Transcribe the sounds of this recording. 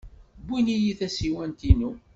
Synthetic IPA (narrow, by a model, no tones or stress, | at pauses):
binijiθæsiwænt̪inu